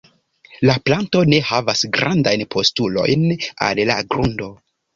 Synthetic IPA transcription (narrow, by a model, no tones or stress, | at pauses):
laplanto̞ne̞havasɡɾandajnpʰo̞stulo̞̰jna̰lla̰ɡɾundo̞